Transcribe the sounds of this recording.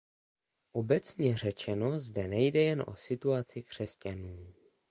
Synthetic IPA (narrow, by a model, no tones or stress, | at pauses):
ʔo̞bɛt͡sɲɛr̝ɛt͡ʃɛno̞zdɛnɛjdɛjɛnʔo̞̰sɪt̪uat͡sɪkr̝̥ɛscanuː